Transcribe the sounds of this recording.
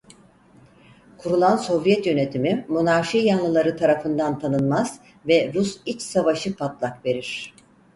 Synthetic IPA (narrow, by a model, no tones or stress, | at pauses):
kʰuɾulˠanso̞vjɛt̪jø̞ne̞t̪ʰimimunaɾʃijanlˠɯlˠaɾɯt̪ʰaɾafɯnd̪ant̪ʰanɯnmaz̥ | vɛɾusit͡ʃsavaʃɯpʰat̪lˠakve̞ɾiɾ̝̥